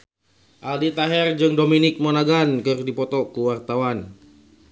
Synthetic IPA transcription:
ʔaldit̪aɦɛrd͡ʒɨŋdominɪk̚monaɡankɨrdipɔt̪ɔkuwart̪awan

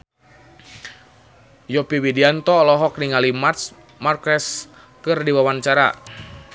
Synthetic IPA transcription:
jɔpiwidiant̪ɔlɔɦɔk̚niŋalimas | markɛs | kɨrdiwawant͡ʃaɾa̰

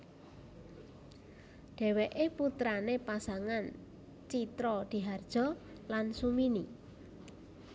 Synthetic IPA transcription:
ɖ̪̥ɛ̤weʔeput̪ɾanepasaŋan | t͡ʃit̪ɾɔd̪̥i̤ɦard̥ʒ̥ɔ̤ | lansumini

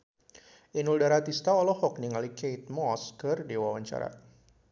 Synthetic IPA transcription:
ʔinuldaɾat̪ist̪aɔlɔhɔk̚niŋalikejt̪̚mɔskɨrdewawaɲt͡ʃa̰ɾa̰

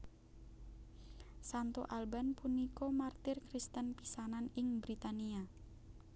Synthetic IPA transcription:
sant̪oʔalbanpunikomart̪ɪrkɾist̪ənpisananɪŋbɾit̪ania

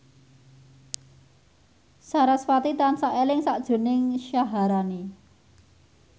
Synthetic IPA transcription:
saɾasfat̪it̪ansaʔelɪŋsaʔd̥ʒ̥o̤nɪŋʃaɦaɾani

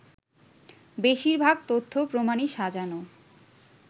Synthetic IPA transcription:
beʃiɾbʱaɡt̪ot̪ʰːopɾomaniʃad͡ʑano

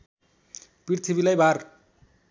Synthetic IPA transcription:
priɾt̪ʰibilajbʱar

